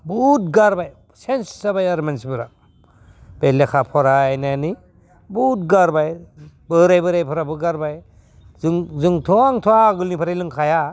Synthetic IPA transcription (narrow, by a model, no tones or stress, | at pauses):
but̚ɡaɾbaj | senssabajaɾmansibɯɾa | b̥elekʰapʰɔɾaːjnajni | but̚ɡaɾbaj | bɯɾajbɯɾajpʰɔɾabɯɡaɾbaj | zɯŋzɯŋtʰɔaŋtʰɔaɡɯlnipʰaɾajlɯŋkʰaja